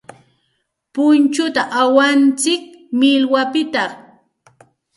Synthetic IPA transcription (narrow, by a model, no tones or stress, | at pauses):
pʊnt͡ʃʊt̪aʔawant͡sɪk̚ | mɪlwapɪt̪ɑ